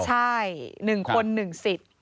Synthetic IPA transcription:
t͡ɕʰa˥˩jnɯ˨˩ŋkʰo˧nːɯ˨˩ŋsi˨˩t̪̚

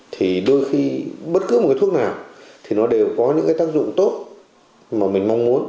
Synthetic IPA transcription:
t̪ʰi˨˩ɗo˧jxi˧ɓə˦˥t̚kɨ˨˦mo˨˩kaː˨˦t̪ʰknaː˨˩wt̪ʰi˨˩nɔ˨˦ɗe˨˩wkɔ˨˦ɲɨ̰˧˥ŋkːaː˨˦jt̪aː˦˥k̚zʊ̰˧˨ŋ͡mt̪o˦˥t̚ | maː˨˩mï˨˩ŋ̟ma˧wŋ͡mmu˨˦ən

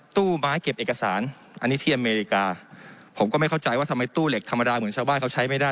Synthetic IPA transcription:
t̪uː˥˩maː˦˥jke˨˩p̚ʔeː˨˩ka˧saː˩˦n | ʔa̰˧nːi˦˥t̪ʰi˥˩ʔa˧meː˧ɾi˧˥kaː˧pʰo˩˦mkɔː˥˩ma˥˩ka˥˩wt͡ɕa˧jwaː˥˩˧ma˧jt̪uː˥˩le˨˩k̚t̪ʰa˧mːa˧daː˧mɯ˩˦ənt͡ɕʰaː˧wbaː˥˩nkʰa˥wt͡ɕʰa˦˥jma˥˩jdaː˥˩

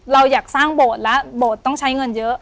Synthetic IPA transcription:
la˧˩wjaː˨˩k̚saː˧˥˩ŋɓoː˨˩t̪̚laː˨˦˥ɓoː˨˩t̪̚t͡ɕɔ˧˩ŋt͡ɕʰa˨˦˥jŋə˧˩nzəː˨˦˥

